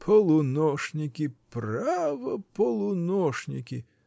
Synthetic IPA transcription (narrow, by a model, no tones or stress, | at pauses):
pʰɔlˠʊnɔʃnʲɪkʲiprɑʋɔpɔlˠʊnɔʃnʲɪkʲi